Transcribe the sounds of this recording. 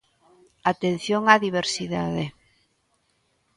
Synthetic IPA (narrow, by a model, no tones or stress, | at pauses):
at̪en̟θjoŋaðiβ̞eɾsiða̰ðe